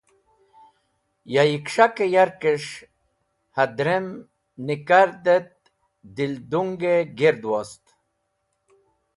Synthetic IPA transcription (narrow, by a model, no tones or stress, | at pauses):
jajikʂakejaɾkeʂ | had̪ɾem | nikaɾd̪et̪̚ | d̪ild̪uŋɡeɡeɾd̪wast̪